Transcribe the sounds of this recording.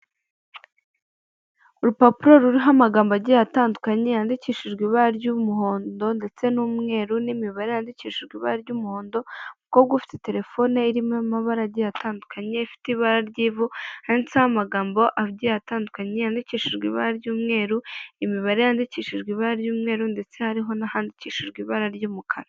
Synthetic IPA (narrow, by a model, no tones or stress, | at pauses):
uɾupapiɾoɾuɾiɦamaɡaːmboaɟijataːndukaɲejaːndiciːʃiʒɡwiβaɾɟumuho̞ːndo̞nde̞t͡se̞nuːmŋe̞ːɾunimiβaɾejaːndiciːʃiʒɡwiβaaɾɟuːmuho̞ːndo̞mukoβbɡafi̥tete̞ɾe̞fo̞neiɾimamaβaɾaɟijatʰaːndukʰaɲe̞ifi̥tiβaɾaɾɟiːvuhaint͡sahamaɡaːmbo̞ʔaβɟijataːndukaɲejaːndiciːʃiʒɡwḭβaɾaɾjuːmŋe̞ːɾuimiβaɾejaːndiciːʃiʒɡwiβaɾaɾɟuːmŋe̞ːɾunde̞t͡se̞haɾiɦo̞nahaːndiciːʃiʒɡwiβaɾaɾɟuːmukʰaɾa